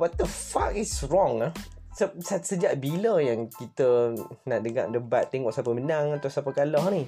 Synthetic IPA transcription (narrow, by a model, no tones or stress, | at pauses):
bat̪̚d̪əfa̰kisɹɔŋa | səsasəd͡ʒaʔbiləjaŋkit̪ənaʔdəŋa̰ʔdəbat̪ːeŋɔʔsapəmənãŋat̪awsapəkalɔhnĩ